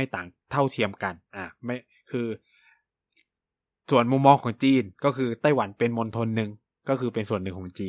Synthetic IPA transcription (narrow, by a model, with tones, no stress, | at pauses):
a˥˩jt̪aː˨˩ŋt̪ʰa˥˩wt̪ʰi˧əmka˧nʔaː˧˩ma˥˩j | kʰɯː˧ | su˨˩ənmu˧mːɔː˧ŋkʰɔː˩˦ŋt͡ɕiː˧nkɔː˥˩kʰɯː˧t̪a˥˩jwa˩˦npe˧nmo˧nt̪ʰo˧nːɯ˧ŋ | kɔː˥˩kʰɯː˧pe˧nsu˨˩ənːɯ˨˩ŋkʰɔː˩˦ŋt͡ɕiː˧n